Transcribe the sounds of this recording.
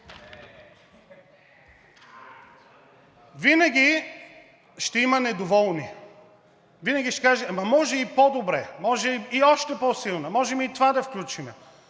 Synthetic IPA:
vinɐɡʲi | ʃt̪ɛimɐnɛd̪ovɔlˠni | vinɐɡʲiʃt̪ɛ̥kaʒɛmɐmɔʒɛipɔd̪obɾɛmɔʒɛiɔʃt̪ɛpɔsilˠnəmɔʒɛmit̪ovad̪ɐfklʲut͡ʃimɛ

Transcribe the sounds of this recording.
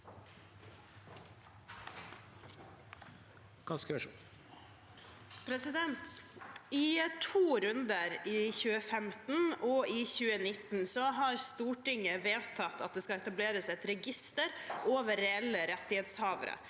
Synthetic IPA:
kɑskəʋəʂuː | pʰɾɛsɪd̪ɛnt̪ɪt̪ʰuːɾʉnd̪əɾɪçʉːəfɛmt̪n̩ɔɪçʉːənɪt̪n̩sɔɦɑɾst̪uːʈɪŋəʋeːt̪ʰɑt̪ːɑ̰t̪̚d̪eːskɑɛt̪ɑbleːɾəsɛt̪ɾɛɡɪst̪əɾʔoːʋəɾːɛɛlːəɾɛt̪ːɪheːt̪shɑːʋə̰ɾə̰

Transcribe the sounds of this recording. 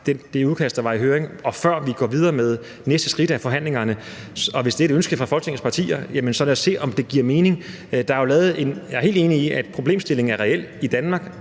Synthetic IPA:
d̥ed̥e̝uðˠkʰæsd̥d̥ɑ̈ʋɑ̈iɦøːʁeŋɒ̽fɶɐ̰ʋiɡ̥ɒ̰ːʋið̞ˠɐːmeð̞ˠ | nesd̥ə̥sɡ̥ʁid̥æfɒ̽ɦæn̰le̝ŋɐnə | ɒ̽ʋe̝sd̥e̝æɾeønsɡ̥əfʁɑ̈fɒ̽lɡ̥nʰe̝ŋn̩spʰɑ̈t͡sʰḭːɐjæmənsɒ̽leɐsːe̝̰ːɒ̽md̥e̝ɡ̥iɐ̰me̝ːne̝ŋ | d̥ɑ̈jolɛːð̩ˠe̝njɑɪɦe̝̰ld̥e̝ːniiæd̥pʰʁo̝b̥le̝̰ːmsd̥e̝le̝ŋ̩æɐʁɛel̰id̥ænmɑ̈ːɡ̥

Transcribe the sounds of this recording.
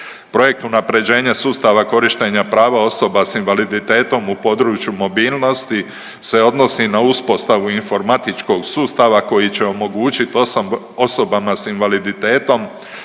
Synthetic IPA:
pɾo̞je̞k̚t̪unapɾe̞d͡ʑe̞ːɲasuːst̪aʋako̞ɾiʃt̪e̞ɲapɾaːʋao̞so̞basinʋalid̪it̪e̞ːt̪o̞mupo̞d̪ɾuːt͡ʃjumo̞biːlˠno̞st̪i | se̞o̞d̪no̞sinauspo̞st̪aʋuinfo̞ɾmat̪it͡ʃko̞ɡsuːst̪aʋako̞jit͡ɕe̞o̞mo̞ɡuːt͡ɕit̪ | oso̞bamasinʋalid̪it̪e̞ːt̪o̞m

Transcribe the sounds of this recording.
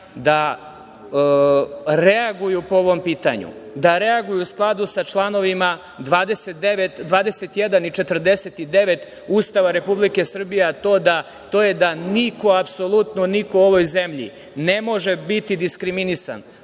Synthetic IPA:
d̪a | ɾeaɡujupooʋo̞mpiːt̪a̰ɲṵd̪aɾe̞aɡujuusklˠad̪usat͡ʃlˠano̞ʋima | d̪ʋaːd̪eset̪d̪eʋet̪d̪ʋaːd̪e̞set̪jed̪anit͡ʃet̪r̩d̪eset̪id̪e̞ʋet̪ | ust̪aʋaɾe̞publike̞sr̩bijeat̪o̞ːd̪a | t̪ojed̪aniko̞apso̞lˠut̪nonikooʋojze̞mʎḭ | nemo̞ʒebit̪id̪iskɾiminisa̰n

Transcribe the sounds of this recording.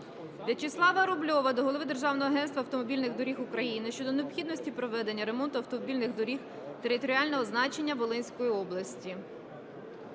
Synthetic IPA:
bʲlʲɐt͡ʃɪslˠɑʋɐɾʊblʲɔʋɐd̪ɔɦɔlˠɔʋɪd̪erʒɑwnɔɦɔɐɦɛnst̪ʋɐwt̪ɔmɔbʲilʲnɪɣd̪ɔɾʲixʊkɾɐjinɪʃt͡ʃɔd̪ɔneɔpxʲid̪nɔsʲtʲipɾɔʋɛd̪enʲːɐɾe̞mɔnt̪ʊɐwt̪ɔmɔbʲilʲnɪxd̪ɔɾʲix | t̪e̞ɾɪt̪ɔɾʲiɑlʲnɔɦɔznɑt͡ʃe̞nʲːɐʋɔlˠɪnʲsʲkɔjiɔblˠɐsʲtʲi

